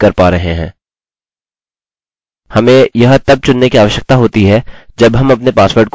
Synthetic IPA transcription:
kɐɾpaːɾɐɦẽɦɛ̰̃ː | hɐmẽjɐɦt̪ɐb̚t͡ʃʊnːekiaːʋəʃjək̚t̪aɦoːt̪iɦɛd͡ʒɐbɦɐmɐpnepaːsʋəɾʈ̚k

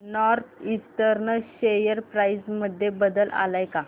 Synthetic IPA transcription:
nɔɾt̪ʰisʈəɾnəlɕejəɾpɾaisməd̪ʱːjebəd̪əlʔa̰lajka

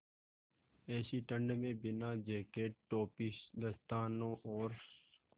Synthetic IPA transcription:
ɛːsiʈə̃ɳɖmẽːbɪnaːd͡ʒeːkeːʈ̚ːoːpɪsd̪əst̪aːnõːʔɔːɾ

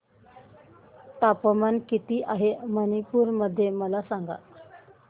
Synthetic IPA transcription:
t̪apəmankit̪iːʔaɦemənipuːɾməd̪ʱːjeməlasaŋɡa̰

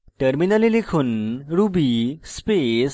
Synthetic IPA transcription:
ʈəɾminalelekʰuːnɾubispes

